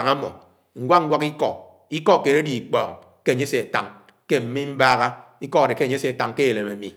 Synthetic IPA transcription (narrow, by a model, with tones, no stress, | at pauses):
ŋa˦mɔ̰˨ | ŋ̩˨ɡʷwʷa˦ŋ̩˦ɡʷwa˦ki˦kɔ˨ | i˦kɔ˦˨ke˨ɾe˦di˨i˨k͡pɔː˨ŋ | ke˦˨ɲe˦se˨a˨ta̰˨ŋ | ke˦m̩˦mi˦m̩˦ba˦ɣa˦ | i˦kɔ˦a˨de˨ke˦˨ɲ˦se˨a˨ta˨ŋke˦˨le˨me˨mḭ˨